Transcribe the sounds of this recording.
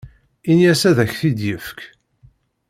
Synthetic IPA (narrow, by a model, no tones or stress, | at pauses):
injæsæðæçθid̪jəfk